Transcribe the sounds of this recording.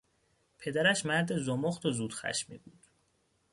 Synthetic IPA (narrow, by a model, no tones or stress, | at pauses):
pʰe̞d̪æɾæʃmæɾd̪ezomoχt̪ʰozuːd̪̥xæ̰ʃmḭbuːd̪̥